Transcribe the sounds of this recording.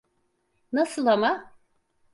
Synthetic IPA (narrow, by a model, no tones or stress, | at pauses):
nasɯlˠama